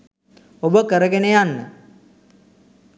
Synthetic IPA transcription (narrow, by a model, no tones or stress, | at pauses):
obəkəɾəɡenejanːə̰